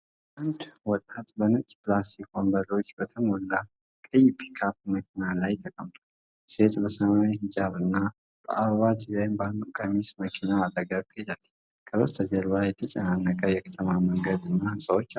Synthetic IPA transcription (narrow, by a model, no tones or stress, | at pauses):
ʔand̪wɔt̪ʼat̪bənɨt͡ʃʼplast̪ikʰo̞nbəlo̞t͡ʃːbət̪ʰəmolːa | kʼɨjpʰi̥kʰapməkʰinalajt̪ʰəkʼəmt̪ʼa | se̞t̪ʼbəsəmajihɪsaβɨnːa | b̥ə̰ʔaβad͡ʒizajmbalːukʼəmisməkʰinaːd̪ʼəɡakt̪ʼd͡ʒal | kʰəβəst̪ʰəd͡ʒəɾβajɛt̪ʰət͡ʃʼɛnanːəkʼəjɛkʰə̥t̪ʰəmaməŋɡəd̪ɨnːahɨnsʼawot͡ʃːa